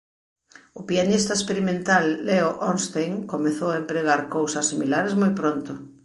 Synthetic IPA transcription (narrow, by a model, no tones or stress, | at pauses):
ʊpianist̪ɐespeɾimẽnt̪alːeoʔɔnst̪ejŋkomeθowaempɾeɣaɾkowsɐsːimilaɾezmojpɾont̪ʊ